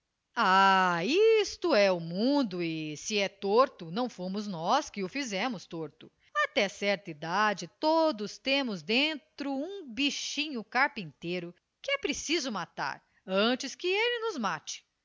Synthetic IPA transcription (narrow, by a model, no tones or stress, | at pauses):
aist̪ʊɛʊmũd̪ʊɪsɪɛt̪oɾt̪ʊnɐ̃w̃fõmʊznɔskɪʊfizɛ̃mʊst̪oɾt̪ʊ | at̪ɛsɛɾt̪ɐid̪ad͡ʒɪt̪od̪ʊst̪ẽmʊzd̪ẽnt̪ɾʊũbiʃĩɲʊkaɾpĩnt̪eɾʊ | kɪɛpɾesizʊmat̪a̰ɾ | ɐ̃t͡ʃɪskɪelɪnʊzmat͡ʃɪ̥